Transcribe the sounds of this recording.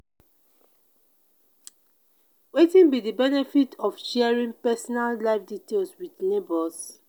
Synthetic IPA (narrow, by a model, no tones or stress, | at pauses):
wetĩnbidibɛnɛfitʰɔfʃɛɛɹĩŋpɛsɔnalːaɪfditelswidnebɔs